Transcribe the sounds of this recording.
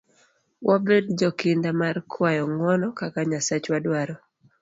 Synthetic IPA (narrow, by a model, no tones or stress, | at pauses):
wʔabedd͡ʒɔkɪndamarkʰwajɔŋwɔnɔkakaɲasat͡ʃwadwaɾɔ